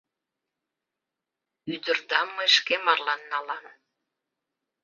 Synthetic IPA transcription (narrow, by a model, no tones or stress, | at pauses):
yd̪ə̆rd̪ɑmːɤeʃkemɑrlɑnːɑlɑn